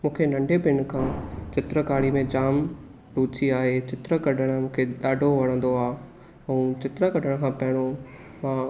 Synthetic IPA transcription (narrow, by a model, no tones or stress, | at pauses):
mũːkʰenɐ̃ɳɖʱebɪnkʰãːt͡ɕɪt̪ɾəkaːɽimẽd͡ʑaːm | ɾuːt͡ɕiaːɦet͡ɕɪt̪ɾəkɐɖʱəɽ̃mũːkʰeɗaːɖʱoʋɐɽ̃ə̃n̆d̪oaː | ɛ̃ːt͡ɕɪt̪ɾəkɐɖʱəɽ̃kʰãːpɐɦɪɽ̃o | mãː